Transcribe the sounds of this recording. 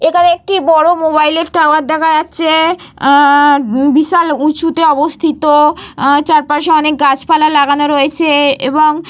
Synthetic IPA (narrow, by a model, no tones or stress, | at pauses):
ekʰaneek̚ʈibɔɽomobajleɾʈawaɾd̪ɛkʰad͡ʑatːɕʰe | biʃalut͡ɕut̪eɔbost̪ʰit̪ot͡ɕaɾpaʃeɔnekɡat͡ɕpalalaɡanoɾojet͡ɕʰeeboŋ